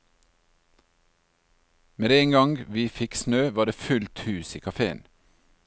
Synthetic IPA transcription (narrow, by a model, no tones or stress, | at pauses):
meːd̪eeŋɡɑŋɡʋiːfɪksnøːʋɑːd̪eːfʉlt̪hʉːsḭːkʰɑfeːə̰n